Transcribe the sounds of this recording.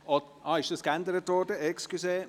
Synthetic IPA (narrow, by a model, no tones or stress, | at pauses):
ɔt̪ʔɑɪʃd̥əskænd̪əɾət̪ʋɔɾdəekskyseː